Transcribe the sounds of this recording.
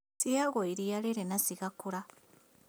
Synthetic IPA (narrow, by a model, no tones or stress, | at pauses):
siaɣoiɾialeɾenasiɣakuɾa